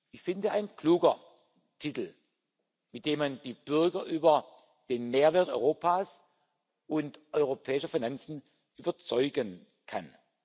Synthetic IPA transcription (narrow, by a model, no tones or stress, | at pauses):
ʔɪçfɪndəaɪnkluːɡɐ | tʰɪtl̩ | mɪt̚d̥eːmandiːb̥ʏɐɡɐʔyːbɐ | d̥eːnmeːɐvɛːɐtɔ̰ʏʁoːpʰaːs | ʔʊntʔɔʏʁopʰɛːɪʃɐfinant͡sn̩ | ʔyːbɐt͡sɔʏɡən | kʰa̰n